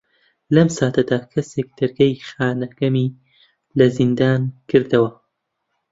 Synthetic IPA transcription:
lɐmsaːt̪ʰɐd̪aːkʰɐseːk̚d̪̥ɐɾɡɐjxaːnɐɡɐmiː | lɐzind̪aːnkʰɨɾd̪ɐwɐ

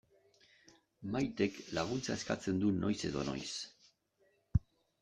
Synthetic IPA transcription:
majt̪e̞klaɣ̞unt͡saeska̰t͡se̞nd̪uno̞jse̞ðo̞̰no̞̰js

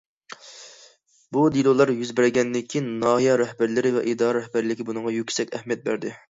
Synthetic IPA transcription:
bud̪ilˠolˠɑɾjyzbɪɾɪɡʲɛnd̪ɪkʲʰːinːɑːɦijɑɾɛhbæɾlɪɾɪvɛʔid̪ɑɾɾɛhbæɾlɪkʲɪbunɨɴʁɑjykʲsɛkʲɛhmijɛt̪̚bæɾd̪ɪ

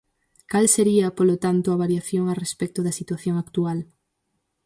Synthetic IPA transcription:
kalseɾiɐpolot̪ant̪ʊaβaɾjaθjoŋarespɛk̚t̪ʊðɐsit̪waθjoŋakt̪ual

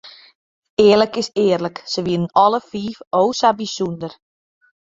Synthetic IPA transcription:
ɪːərləkɪsɪːərləksəʋɪnənɔləfiːfoːsabisundər

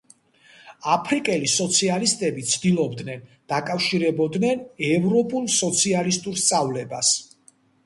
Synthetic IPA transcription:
apʰɾikʼɛlisɔt̪sʰialist̪ʼɛbit̪sʰd̪ilˠɔbd̪nɛnd̪̥akʼafʃiɾɛbɔd̪nɛnɛvɾɔpʼulˠsɔt̪sʰialist̪ʼuɾst̪sʼavlɛbas

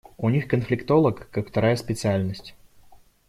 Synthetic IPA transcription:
ʊnʲixkənflʲɪkt̪o̞lˠəkːakft̪ɐɾajəspʲɪt̪sɨalʲnəsʲtʲ

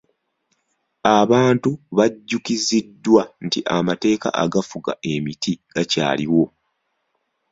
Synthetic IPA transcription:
aβaːntuβaɟːukizidːwantiʔamate̞ːka̰ʔa̰ɡafuɡa̰ʔe̞mitʰiɡ̥aca̰ːliwo̞

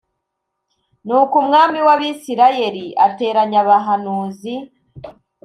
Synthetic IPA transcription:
nuːkumŋaːmiwaβisiɾaje̞ɾiʔate̞ːɾaɲaβaɦanuːzi

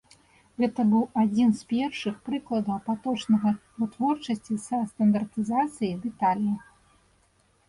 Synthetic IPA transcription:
ɣɛt̪ɐbɨwad͡zʲinspʲɛrʂɨxpɾɨklˠɐd̪ɐwɐpat̪ɔt͡ʂnɐɣɐvɨt̪vɔrt͡ʂɐsʲt͡sʲisɐst̪ɐnd̪ɐrt̪ɨzat̪sɨjid̪ɛt̪alʲjɐ

